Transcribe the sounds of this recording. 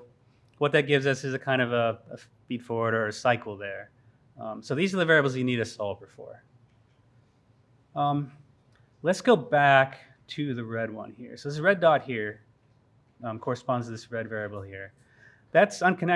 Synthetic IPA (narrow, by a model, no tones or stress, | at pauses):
wʌt̪̚ðɨt̚ɡ̥ɪvzʌsɨzɨkʰãɪ̃ndʌvəə | b̥id̥fɔɹwəɾə˞ɨsaɪkʰl̩ˠðə˞ | ʌ̃soʊðizə˞ðɨvɛɹiɨbl̩ˠzjɨniɾɨsɔlˠpəfɔ̰ɹ | ʌ̃m | lɨtsɡ̥oʊbæk | tʰɨðɨɹɛd̚wʌ̰̃nhiɹsoʊðsəɹɛdɑt̚hiɹ | ʌmkʰɔɹɨspɑ̃nztʰɨðɪsɹɛdvɛɹiɨbl̩ˠhiɹ | ðætsʌ̃nkʰɨ̃nɛ